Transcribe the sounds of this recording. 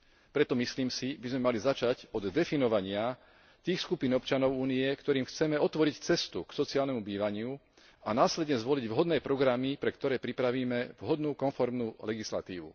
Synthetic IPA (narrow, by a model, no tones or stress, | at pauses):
pɾɛt̪ɔmisliːmsibizmɛmalizat͡ʃacɔd̪ːɛfinɔʋaɲɪa | t̪iːxskupinɔpt͡ʃanɔʊuːniɛkt̪ɔɾiːmxt͡sɛmɛɔt̪ʋɔɾict͡sɛst̪uksɔt͡siaːlnɛmubiːʋaɲɪu | anaːslɛd̪ɲɛzʋɔliɟʋɦɔd̪nɛːpɾɔɡɾamipɾɛkt̪ɔɾɛːpɾipɾaʋiːmɛʋɦɔd̪nuːkɔnfɔɾmnuːlɛɡisla̰t̪ḭːʋṵ